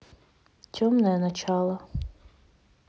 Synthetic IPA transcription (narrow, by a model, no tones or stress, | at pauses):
t͡sʲɔmnɛnɐt͡ʃɑlˠɐ